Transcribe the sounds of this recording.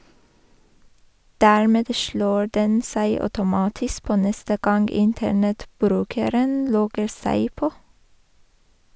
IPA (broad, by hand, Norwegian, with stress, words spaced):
ˈdæːɹmɛd ˈʃloː ˈɖɛn ˈsæɪ œʉtʊˈmɑːtɪsk ˈpoː ˈnɛstə ˈɡɑnɡ ˈɪntəɳɛtˌbɾʉːkəɾən ˈlɔɡəɾ ˈsæɪ ˈpoː